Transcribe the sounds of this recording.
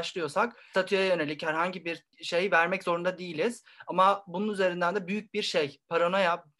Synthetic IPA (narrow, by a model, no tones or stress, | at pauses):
ʃlˠɯjo̞sakt̪ʰat̪ʰyjajø̞ne̞lʲichæɾɦaɲɟibiɾ | ʃe̞jvæɾmɛczo̞ɾund̪ad̪ijilʲiz̥ | amabununyze̞ɾind̪ænd̪ɛbyjyc̚biɾʃejpʰaɾono̞ja